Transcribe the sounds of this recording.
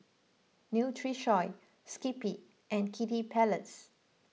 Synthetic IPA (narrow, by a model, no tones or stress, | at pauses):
njutʰɹiʃɔɪ | skipi | ʔɛ̃nkʰitipʰɛləts